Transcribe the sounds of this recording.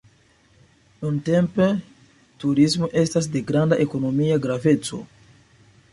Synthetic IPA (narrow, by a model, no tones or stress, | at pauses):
nunte̞mpe | tuɾismo̞ʔe̞stas̬de̞ɡɾandaʔe̞ko̞no̞miaɡɾave̞t͡so̞̰